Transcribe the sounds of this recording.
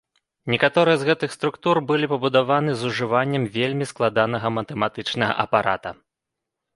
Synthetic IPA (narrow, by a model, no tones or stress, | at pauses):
nʲɛkat̪ɔɾɨjɐzɣɛt̪ɨxst̪ɾukt̪urbɨlʲipɐbud̪avanɨzuʐɨvanʲːɐmvʲelʲmʲisklˠad̪an̪ɐɣɐmɐt̪ɛmat̪ɨt͡ʂnɐɣɐ̰ʔɐpaɾʔa̰t̪ɐ̰